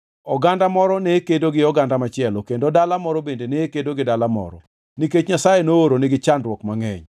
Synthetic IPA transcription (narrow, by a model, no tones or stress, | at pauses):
ɔɡandamɔɾɔnekedoɡɪɔɡandamat͡ʃɪɛlɔkendodalamɔɾɔbendenekedoɡɪdalamɔ̰ɾɔ̰ | niket͡ʃɲasajenooɾonɪɡɪt͡ʃandrwɔkmaŋɛ̰ɲ